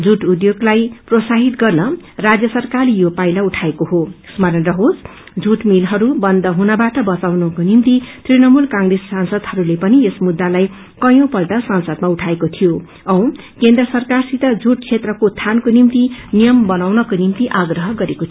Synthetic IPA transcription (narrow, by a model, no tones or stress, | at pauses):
d͡zuʈud̪joɡlajprosaɦit̪ɡʌrnʌrad͡zjʌsʌrkarlijopajlauʈʰaekoɦo | smʌɾʌnrʌɦod͡z | d͡zuʈmilɦʌɾubʌnd̪ʌɦunʌbaʈʌbʌt͡sawnʌkonimt̪it̪rinʌmulkãŋɡresːansʌd̪hʌɾulepʌniesmud̪ːalaj | kʌjõpʌlʈʌsansʌd̪mauʈʰaekot̪ʰijo | ʌw̃ | kend̪rʌsʌrkarsit̪ʌd͡zuʈ̚t͡sʰet̪rʌkot̪ʰankonimt̪inijʌmbʌnawnʌkonimt̪iʔaɡrʌɦʌɡʌɾekot̪ʰ